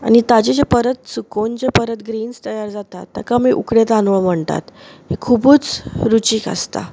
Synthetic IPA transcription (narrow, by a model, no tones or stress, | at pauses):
a̰ɽ̃it̪ad͡ʑed͡ʑepəɾət̪̚t͡sukond͡ʑepəɾət̪ɡɾiːnst̪əjaɾd͡zat̪at̪ːa̰kamiʔukɽet̪anʋəɭm̤əɳt̪a̰t̪ɦekʰubuːt͡sɾut͡ɕiːka̰st̪a̰